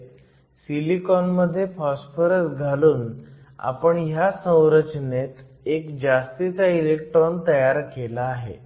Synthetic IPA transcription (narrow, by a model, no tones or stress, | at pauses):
silikɔnməd̪ʱːjefɔspəɾəsɡʱaluːn | a̰pəɳjasə̃w̃ɾət͡ɕnet̪ | ekd͡ʑast̪it͡sailek̚ʈɾɔnt̪əjaɾkelaːɦḛ